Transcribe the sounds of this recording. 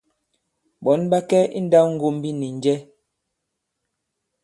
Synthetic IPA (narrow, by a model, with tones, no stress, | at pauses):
bɔ˨˦nba˦kɛ˦ḭ˦n̩˦da˦wŋ̩˦ɡo˦˨m˦bi˦ni˨n˨d͡ʒɛ˦